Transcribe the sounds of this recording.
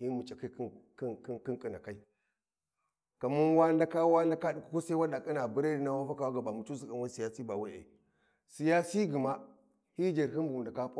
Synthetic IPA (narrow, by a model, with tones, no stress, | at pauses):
hi˦mu˨t͡ʃʼa˨ka˦k | ki˦ki˦ŋkʼi˦na̰˨ka˦i˦ | ka˨mu˦n˦wa˦nda˦ka˦wa˦nda˦ka˦ɗi˨ku̥˦ko˦sa˦wa˦da˨kʼi˦na˨bu˨˦ɾa˦di˨˦na˦wa˦fa˦ka˨wa˦ɡa˨ba˨mu˨t͡ʃu˦si˨a˨nwa˦si˨ja˦si˦ba˨wa˦ḛ˨ | si˨ja˦si˦ɡi˨ma˦ | hi˦d͡ʒa˨ɾɦi˦nu˨ɡu˨nda˨ka˦p